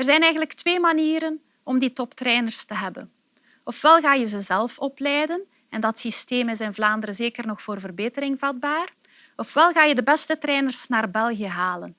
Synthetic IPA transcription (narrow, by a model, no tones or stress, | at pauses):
ərzɛjnɛjɣənləktweːmaniːɾən | ɔmdiːtɔptrɛːnərstəɦɛbə̰n | ɔfʋɛlˠɣaːjəzəzɛlˠfɔplɛjdən | ɛndɑtsisteːməzɛjnvlaːndəɾəzeːkərnɔxfoːrvərbeːtəɾɪŋvɑd̚baːr | ɔfʋɛlˠɣaːjədəbɛstətɾɛːnərsnaːrbɛlˠɣijəɦaːlən